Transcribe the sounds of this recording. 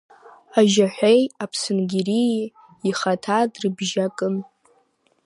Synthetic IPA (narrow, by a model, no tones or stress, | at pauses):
aʒaħʷᶣejapʰsɨnɡʲiɾi | iχatʰadrɨbʒakʼɨn